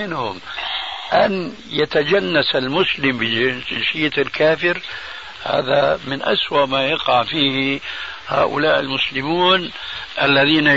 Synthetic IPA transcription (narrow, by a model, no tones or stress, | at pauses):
ɪnhʊmʔan | jat̪ad͡ʒanːasalmʊslɪmbɪʃɪjːat̪ɪlkaːfɪɾ | ha̰ːðamɪnʔa̰swaʔmajɑqɑʕfiːh | ha̰ːʔʊ̰laːʔɪ̰lmʊslɪmuːnʔalːaðiːna